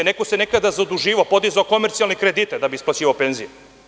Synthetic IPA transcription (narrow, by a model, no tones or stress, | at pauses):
nekosene̞kad̪azaod̪uʒiːʋaopo̞d̪izaoko̞meɾt̪sialnekɾed̪it̪ad̪abiisplˠat͡ɕiːʋaopenzije